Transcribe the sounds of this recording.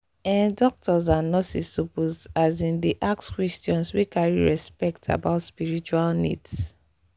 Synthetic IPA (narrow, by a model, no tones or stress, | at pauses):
ɛ̃ndɔk̚tɔz̬anɔsisːopozazĩndiʔakskwɛstiɔ̃nswikaɹḭɹɛspɛk̚tʰa̰baʊtspiɹit͡ʃualnḭds